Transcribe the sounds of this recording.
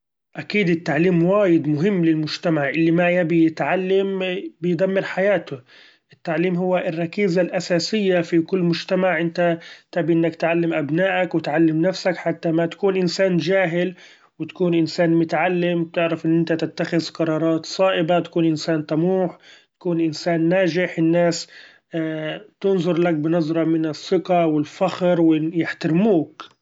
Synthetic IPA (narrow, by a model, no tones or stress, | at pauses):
ʔakiːd̪ɪt̪ːaʕliːmwaːjɪd̪mʊɦɪmːlɪlmʊʒt̪amaʕʔɪlːimajabijɪt̪ʕalːambɪjd̪amːɪɾħajaːt̪ʊ | ʔɪt̪ːaʕliːmɦʊwːaʔɪrˤːɑkiːzalʔasaːsɪjːafikʊlːmʊʒt̪amaʕʔɪnt̪at̪abiʔɪnːakt̪ʕalːamʔabnaːʔakwɪt̪ʕalːɪmnafsakħat̪ːamat̪ḁkuːnʔɪnsaːnd͡ʒaːɦɪl | wɪt̪ḁkuːnʔɪnsaːnmʊt̪ʕalːɪm̚t̪ɪʕɾafʔɪnːʔɪnt̪at̪ɪt̪ːaxɪðqɑɾˤɑːɾˤɑːt̪sˤɑːʔɪbat̪ḁkuːnʔɪnsaːnt̪ˤɑmuːħt̪ḁkuːnʔɪnsaːnːaːʒɪħɪnːaːs | t̪ʊnzˤʊɾˤlak̚bɪnɑzˤɾˤɑmɪnɪsːɪqɑwɪlfaxɾwɪjɪħt̪aɾmuːk